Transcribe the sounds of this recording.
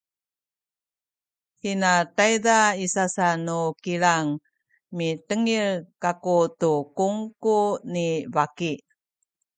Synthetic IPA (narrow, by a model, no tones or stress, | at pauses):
hinatajdaisasanukiɭaŋ | mitəŋiɭkakutukuŋkunibaki